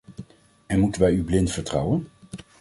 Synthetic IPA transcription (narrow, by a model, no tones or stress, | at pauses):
ɛnmutənʋɛjyblɪntfəɹtrɑ̰wən